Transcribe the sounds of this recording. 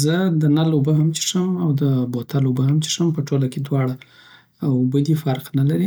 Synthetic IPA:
zəd̪ənalobəɦamt͡ʃi̥ʂəmawd̪əbot̪ʰalobəɦamt͡ʃi̥ʂəmpəʈolaked̪wɑɽa | ʊbəd̪ifaɾqnalaɾi

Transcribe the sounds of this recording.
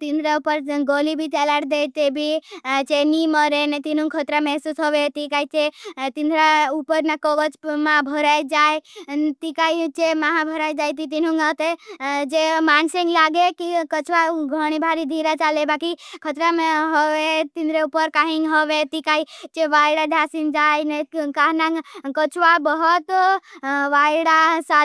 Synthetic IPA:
t̪ind̪ɾaupəɾɡoːlibʱit͡ʃɛlaːɽd̪et̪ebʱit͡ʃeniməɾenet̪in̤ũŋkʰət̪ɾamɛɦsusɦɔʋet̪ikait͡ʃet̪ind̪ɾaupəɾnakəʋət͡ʃmãbʱəɾajd͡ʒaːet̪ikait͡ʃemaɦãbʱəɾaːjd͡ʒaːjt̪̬it̪̬inũŋat̪ed͡ʒemaːnsẽŋɡlaːɡekikət͡ʃʋaɡʱəɽ̃ibʱaɾid̪ʱiɾat͡ʃaːlebaːkikʰət̪ɾameɦəʋet̪ĩnd̪ʱɾeupəɾkaɦiŋɦəʋet̪ikait͡ʃeʋaːɽad̪ʱjaːsind͡ʒaːjnəkaɦnãkət͡ʃʋabəɦət̪ | ʋaːjɽasa

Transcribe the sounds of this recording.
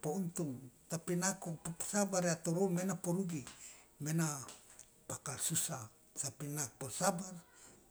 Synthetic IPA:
pount̪uŋt̪apinakupopsabaɾjat̪oɾomenapoɾuɡimena | pakalsusa | sapinaposabar

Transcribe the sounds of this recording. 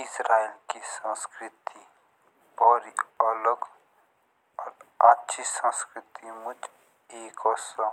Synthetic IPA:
ɪsɾaːilkisãskɾɪt̪i | ɔːɾiələɡ | ɔːɾatːʃʰisãskɾɪt̪imʊd͡ʒ | eːkɔːsa

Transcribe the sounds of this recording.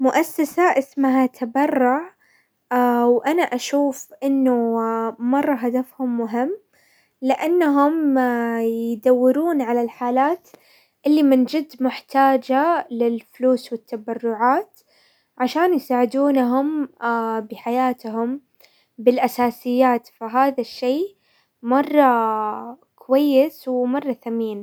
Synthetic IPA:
mʊʔasːasaʔɪsmaɦat̪ʰabɑrˤːʊʕ | wʔanaʔaʃuːfʔɪnːʊmɑrˤːɑɦad̪afhʊmːʊɦɪmː | lɪʔanːaɦʊm | jd̪awːɪɾuːnʕalalħaːlaːt̪ | ʔɪlːimɪnd͡ʒɪd̪ːmʊħt̪aːd͡ʒalɪlfʊluːswɪt̪ːabɑrːʊʕaːt̪ | ʕaʃaːnjsaːʕɪd̪uːnɦʊm | bɪħajaːt̪ɦʊm | bɪlʔasaːsɪjːaːt̪faɦaːðaʃːiː | mɑrˤːɑ | kʊwajːɪswɪmɑrˤːɑθamiːn

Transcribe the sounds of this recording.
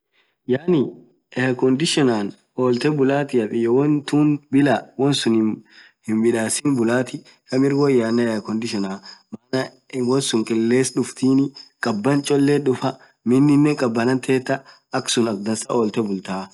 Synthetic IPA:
jaːnɪ | ɛjɐkɔnd̪ɪʃɔnaːn | oːlt̪ɛbʊlaːt̪ɪɐtʼɪjɛwɔnt̪uːnbɪlawɔnsʊn | hɪnbɪᶑaːsɪnbʊlaːt̪ɪ | kɐmɪɾɡɔjaːnːɐjɐkɔnd̪ɪʃɔnaːmanɐ | wɔnsʊŋkʼɛlːeːsᶑʊft̪iːnɪkʼɐbːɐnt͡ʃʼɔlːeᶑʊfɐ | mɪnːɪnːɛkʼɐbːɐnɐnt̪ʰeːt̪ːɐ | ɐksʊnɐk̚d̪ɐnsɐoːlt̪ɛbʊlt̪aː

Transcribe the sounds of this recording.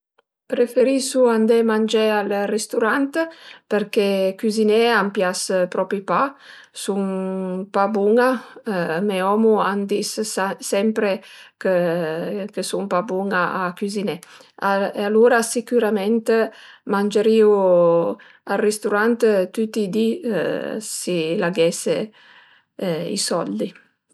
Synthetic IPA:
pɾefeɾisuand̪emand͡ʒealrest̪uɾant̪peɾkekyzinɛampjaspɾɔpipa | suŋpabuŋa | meɔmuand̪issɛmpɾekə | kəsuŋpabuŋaakyzinɛaealuːɾasikyɾamɛnt̪mand͡ʒəɾiːu | arːist̪uɾant̪t̪ut̪ːid̪ḭ | silaɡɛse | ḭsɔld̪i

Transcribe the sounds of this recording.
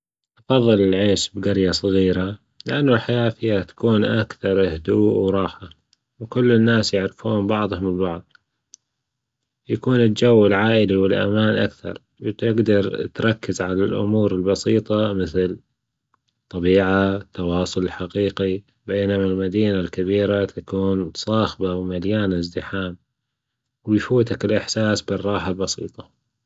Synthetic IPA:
ʔɑfɑðˤːɨlɪlʕeːʃbɡaɾjasˤɑɣiːɾa | lɪʔanːʊlħajaːfijhat̪ḁkuːnʔakθɑɾˤhd̪uːʔwɾˤɑːħa | wkʊlːɪnːaːsjɪʕɾɪfuːmbɑʕðˤhʊmɪlbɑʕðˤ | jakuːnɪld͡ʒawːɪlʕaːʔɪliwɪlʔa̰maːnʔakθɑ̰ɾˤ | wt̪ɪɡd̪ɑɾˤt̪ɾˤɑkːɪzʕalalʔʊ̰muːɾɪlbɑsiːt̪ˤɑmɪθl | t̪ˤɑbiːʕat̪ːɑwɑːsˤʊlɪlħaqiːqi | beːnmalmad̪iːnalkabiːɾat̪ʰakuːnsˤɑːxbawmaljaːnɪzd̪ɪħaːm | wɪjfuːt̪akɪlʔɪħsaːsbɪrˤːɑːħalbɑsḭːt̪ˤɑ̥

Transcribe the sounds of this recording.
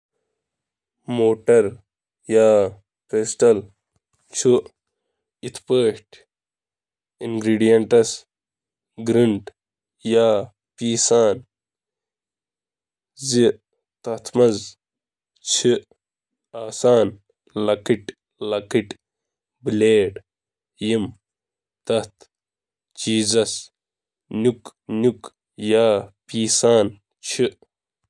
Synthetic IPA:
moːʈɐɾ | jaː | peːsʈɐl | t͡ʃʰu | it̪ʰpəːʂʈ | inɡɾiːɖijɐɳʈɐs | ɡɾiɳɖ | jaː | piːsaːn | zi | t̪ɐt̪ʰmɐz | t͡ɕʰi | aːsaːn | lɐkiʈ | lɐkiʈ | bileːɖ | jim | t̪ɐht̪ʰ | t͡ɕiːzɐs | nuknuk | jaːpiːsaːn | t͡ɕʰi

